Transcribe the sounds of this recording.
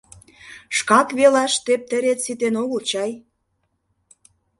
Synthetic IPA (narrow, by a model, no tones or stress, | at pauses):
ʃkɑkβelɑʃt̪ep̚t̪ə̆ɾet̪sit̪enoɣult͡ɕɑj